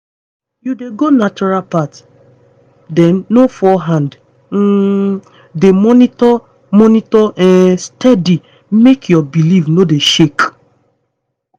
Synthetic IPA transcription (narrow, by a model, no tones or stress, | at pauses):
judeɡonat͡ʃɔɹalpat | dɛ̃nːofɔɦãnd̩ | demɔnitɔ | mɔnitɔʔɛstɛdi | mekʰjɔbilivnodeʃek